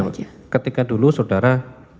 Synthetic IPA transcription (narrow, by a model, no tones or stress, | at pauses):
kət̪ikadulusawdaɾa